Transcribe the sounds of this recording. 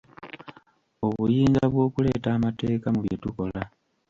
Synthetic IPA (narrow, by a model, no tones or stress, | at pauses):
o̞βujiːŋɡaβwo̞ːkule̞ːtaːmate̞ːkamuβjetuko̞la